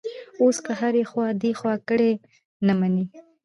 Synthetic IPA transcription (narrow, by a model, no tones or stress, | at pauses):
oskəɦaɾexwɑd̪exwɑkəɽe | namani